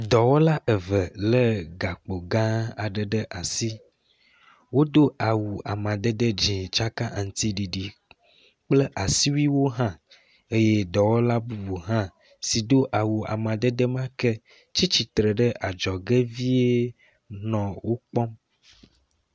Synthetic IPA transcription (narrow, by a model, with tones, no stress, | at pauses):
d̪ɔ˨wɔ˦la˦ʔə˨və˨lə˦ɡa˨k͡po˨ɡã˦a̰˨ɖə˨ɖə˦ʔa˨si˦ | wo˦d̪o˦a˨wu˨a˨mã˨d̪ə˦d̪ə˦d͡ʒĩ˨t͡ʃa˦ka˦ʔa˨ŋ̩˨t̪i˦ɖi˨ɖi˨ | k͡plə˦ʔa˨si˦wi˦wo˦ɦã˦ | e˦je˦d̪ɔ˨wɔ˦la˦bu˨bu˨ɦã˦ | si˨d̪o˦ʔa˨wu˨a̰˨mã˨d̪ə˦d̪ə˦mã˦kɛ˦ | t͡ʃi˦t͡ʃi˨t̪ɾə˨ɖə˦ʔa˨d͡ʒɔ˨ɡe˦vi˦e˦ | nɔ̃˨wo˦k͡pɔ˦m